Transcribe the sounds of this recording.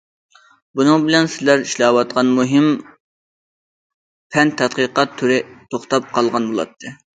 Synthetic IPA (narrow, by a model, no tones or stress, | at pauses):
bunɨŋbɪlɛnsɪlæɾiʃlɑːwɑt̪̚qɑnmuɦɪm | pʰɛnt̪ʰɛt̪̚qəqɑt̪ʰːyɾɪt̪ʰoχt̪ɑp̚qʰɑlˠʁɑnbolˠɑ̰t̪ʰːɨ